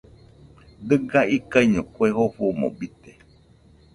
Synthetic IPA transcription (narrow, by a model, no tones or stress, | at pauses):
dɨɡaikaiɲũkweɦoɸumõ̰bit̪e